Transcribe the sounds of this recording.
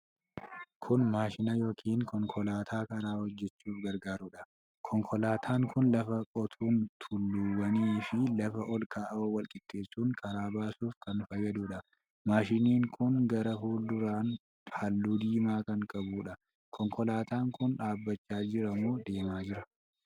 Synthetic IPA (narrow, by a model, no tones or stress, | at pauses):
kʰʊnmaːʃɪnɐjoːkʰiːŋkʰɔŋkʰɔlaːt̪ʰaːkɐɾaːhɔd͡ʒːɛt͡ʃːuːfɡɐɾɡaːɾʊːᶑɐ | kʰɔŋkʰɔlaːt̪ʰaːŋkʊnlɐfɐkʼɔt̪ʰuːnt̪ʰʊlːuːwɐniːfɪlɐfɐʔɔlkaːʔɐowɐlkʼɪt̪ʰːe̞ːsːuːŋkʰɐɾaːbaːsuːfkɐnfɐjːɐd̪uːᶑɐ | maːʃɪniːŋkʊŋɡɐɾɐfuːld̪ʊɾaːn | hɐlːuːd̪iːmaːkɐŋkʼɐbuːᶑɐ | kʰɔŋkʰɔlaːt̪aːŋkʊnᶑaːbːɐt͡ʃːaːd͡ʒɪɾɐmoːd̪e̞ːmaːd͡ʒɪɾɐ